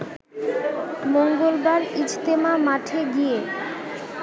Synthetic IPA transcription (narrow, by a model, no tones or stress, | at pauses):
moŋɡolbaɾid͡ʑt̪emamaʈʰeɡije